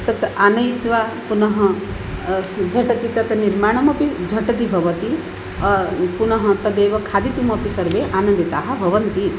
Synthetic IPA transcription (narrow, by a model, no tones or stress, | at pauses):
t̪ɐt̪anɐjt̪ʋapunɐɦɐ̃ | d͡ʒʱɐʈɐt̪it̪ɐt̪niɾmaːɽ̃ɐmɐpid͡ʒʱɐʈɐt̪̬ibʱɐʋɐt̪i | punɐɦɐ̃t̪ɐd̪eːʋɐkʰaːd̪it̪umɐpisɐɾbeʔaːnɐ̃nd̪it̪aːɦɐ̆bʱɐʋɐnt̪i